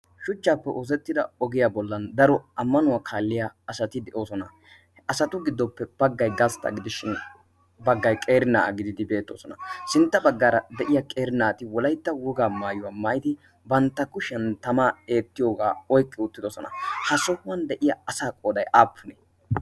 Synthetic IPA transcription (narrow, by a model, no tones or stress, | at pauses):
ʃʊt͡ʃːaːpːɛʔoːzɛt̪ːɪd̪ɐɔɡɪjabɔlːɐnd̪ɐɾɔɐmːɐnʊwaːkʰaːlːɪjaːsɐt̪ɪd̪ɛʔo̞ːsɔnɐ | ʔɐsɐt̪ʊɡɪd̪ːɔpːɛb̥ɐɡːɐjɡɐst̪ːɐ̰ɡɪd̪ɪʃɪn | bɐɡːɐjkʼe̞ːɾɪnaːʔɐɡɪd̪ɪd̪ɪbe̞ːt̪ːo̰ːsɔnɐsɪnt̪ːɐbɐɡːaːɾɐd̪ɛʔɪjakʼe̞ːɾɪnaːt̪ɪwɔlɐjt̪ːɐwɔɡaːmaːjʊwamaːjd̪ɪ | bɐnt̪ːɐkːʊʃɛnt̪ɐmaːeːt̪ːɪjoːɡaːɔjkʼːɛʊt̪ːɪd̪ɔsɔnɐ̰hɐsɔhʊwɐnd̪ɛʔɪjɐɐsaːkʼoːd̪ɐjʔaːpʰːʊnɛ